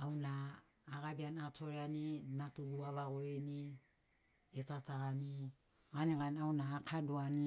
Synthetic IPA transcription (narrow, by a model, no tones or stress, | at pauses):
awnaː | ɡabianatoɾeaninatuduaβaɡoɾeni | etataani | ɡaniɡanaunaːkʰaduani